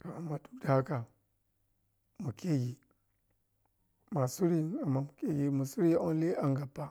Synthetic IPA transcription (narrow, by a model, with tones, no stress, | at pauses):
ka˨a˨ma˨du˦da˦ka˨ | mu˨ke˦ɡi˨ | ma˨su˦ɾi˦na˨mːa˦mu˨ke˦ɡi˨mu˨su˦ɾi˦o˦n˦le˦ʔa˨ŋɡa˨pa˦